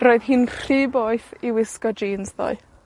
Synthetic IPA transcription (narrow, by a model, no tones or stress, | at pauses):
rɔɨðɦiːnriːboɨθiwɪskɔd͡ʒiːnzðɔ̰ɨ